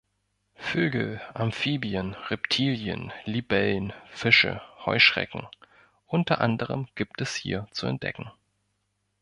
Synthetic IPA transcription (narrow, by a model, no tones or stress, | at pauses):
føːɡl̩ʔamfiːbiənʁɛptʰiːljə̰nlibɛlnfɪʃə̰hɔ̰ʏʃʁ̥ɛ̰kŋ̩ | ʔʊntɐʔandəʁ̞əmɡ̥iːptɛshḭːɐt͡suɛ̰nt̚d̥ɛ̰kŋ̩